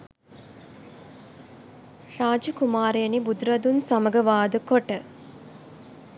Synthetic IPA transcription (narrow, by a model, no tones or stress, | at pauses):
raːd͡ʒəkumaːɾeənibud̪ɾɐd̪unsaməɡəʋaːd̪əkoʈə